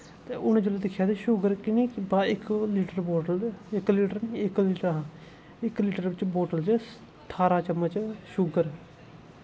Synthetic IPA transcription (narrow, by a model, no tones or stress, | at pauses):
t̪eːʊñẽːd͡ʒoːleːd̪ɪkʰːjaːd̪eːʃʊɡəɾkɪniːbaːɪkliːʈəɾboːʈəlɪkliːʈəɾniɪkliːʈəɾɦãː | ɪkliːʈəɾbɪt͡ʃboːʈəld͡ʒe | t̪ʰaːɾaːt͡ʃəmːət͡ʃʃʊɡəɾ